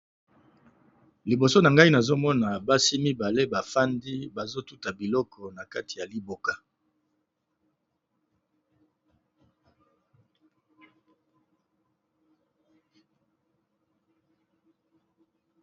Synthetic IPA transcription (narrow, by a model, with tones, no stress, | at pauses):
li˨bo˨so˦na˨ŋɡa˦i˦na˨zo˦mɔ˦na˨ba˦si˦mi˦ba˨le˦ba˨fa˦ndi˦ba˨zo˦tu˦ta˨bi˨lɔ˦kɔ˨na˨ka˦ti˨ja˨li˦bo˨ka˦